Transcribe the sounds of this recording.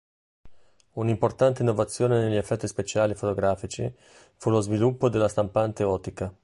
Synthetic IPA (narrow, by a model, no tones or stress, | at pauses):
unimport̪ant̪einːovat̪sːjoːneneʎːiefːɛt̪ːispet͡ʃaːlifot̪oɡɾaːfit͡ʃḭ | fulozvilupːod̪elːast̪ampant̪eɔːt̪ika